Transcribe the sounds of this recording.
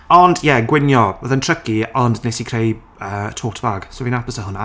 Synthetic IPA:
ɔndjɛɡwɪnjɔvəðəntʰr̥əkiɔndnejsikʰr̥ej | əːtʰoːtʰvaɡ̥sovinapəsəɦʊna

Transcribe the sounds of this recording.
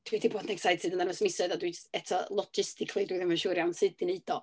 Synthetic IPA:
d̥widiboːdnɛksajtʰɪdənðanəsmɪsɔɨðadwid͡ʒəstɛtʰɔlˠɔd͡ʒɪstɪkʰlˠidwiðɪmənʃuːɾjawnsɨd̚ɪneɨd̥ɔ

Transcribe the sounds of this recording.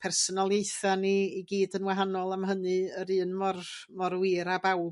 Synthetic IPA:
pʰɛrsɔnalˠejθaniːɡiːdənwaɦanɔlˠamɦənɨəɾɨːnmɔrmɔrwɪɾabawb

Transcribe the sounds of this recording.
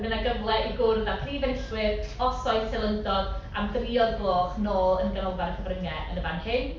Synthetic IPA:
mənaɡəvlˠɛʔiɡʊrðapʰriːvɛnɬwɪðɔsɔɨsɛlˠəndɔdamdriɔðbloːχnoːlˠənɡənɔwvaɾəkʰəvrəŋɛʔə̰nəvanhɪn

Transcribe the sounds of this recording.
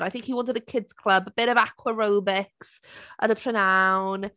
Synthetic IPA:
ɾajθɪ̃ŋkhiwɔ̃ntəðəkʰɪdz̥kʰl̥ˠəbəb̥ɪɾəvakʰwəɹowbɪksʔə̰nəpʰr̥ənawn

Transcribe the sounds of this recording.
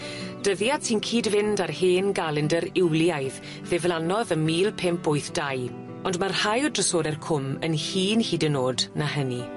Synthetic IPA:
d̥əðjatʰiːnkʰiːdvɪndarheːnɡaːlˠəndəɾɪwlˠjajð | ðɛvlˠanɔðənmiːlˠpʰɛmpoɨθd̥aj | ɔndmarhajɔdrəsoːɾɛrkʰʊmə̰nhiːnhiːdənoːdnaɦəni

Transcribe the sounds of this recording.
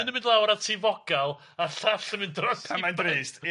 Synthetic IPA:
nəmɨ̃ndlˠawɾatʰiːvɔɡ̥alˠ | aɬaɬəmɨndrɔsamandriːst

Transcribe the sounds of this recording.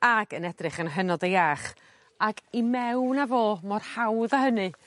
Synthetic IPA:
aɡənɛdrɪχənɦənɔdejaχ | aɡimɛwnavoːmɔrhawðahənɨ

